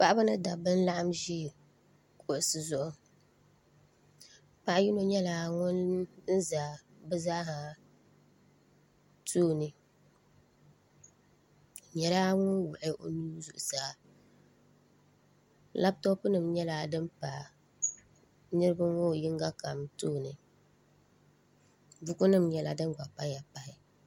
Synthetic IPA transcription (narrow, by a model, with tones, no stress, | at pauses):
pa˦ʔa˦ba˦nɨ˦da˨bɨ˦n̩˦la˦ʔa˦mʒiː˦˨ | kʰo˨ʔsɨ˨zʊ˨ʔʊ˦ | pa˨ʔji˦no˦ɲɛ˦laː˨ŋʊ˦n˦n̩˦za˨bɨ˦zaː˦ɦa˨ | tʰuː˦˨nɨ˨ | ɲɛ˨ɾaː˦ŋʊ˦n˦wʊ˨ʔɪ˦ʔo̰˦nuː˦zʊ̰˨ʔʊ˨saː˨ | la˦b̚tɔ˦pɨ˦nɨ˨mɲɛ˦la˨dɨ˦mpa˨ | nɨ˦ɾɨ˦ba˦ŋo˦˨ji˦ŋɡa˦ka˨mtoː˦˨nɨ˨ | bʊ˦kʊ˦nɨ˦mɲɛ˦la̰˨dɨ˦ɡa˨pa˦ja˨pa˨ɪ˨